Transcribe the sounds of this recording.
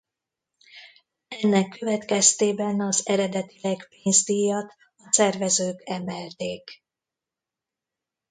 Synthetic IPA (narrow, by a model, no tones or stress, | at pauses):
ɛnːɛkːø̞vɛt̪kɛst̪eːbɛnɒzɛɾɛd̪ɛt̪ilɛkpeːnzd̪ijɒt̪ | ɒsɛrvɛzøːkɛmɛlt̪eːk